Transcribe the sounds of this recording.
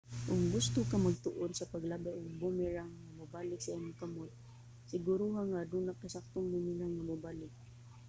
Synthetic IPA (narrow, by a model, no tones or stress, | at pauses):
ʔʊŋɡʊst̪ʊkamɐɡ̚t̪ʊʔonsɐpɐɡlabajʔʊŋbumɪɾaŋamʊbaːlɪk̚saanʊŋkamot̪̚ | sɪɡʊɾuɦaŋad̪uːnakːasak̚t̪ʊŋbʊmɪɾaŋamʊbalɪk̚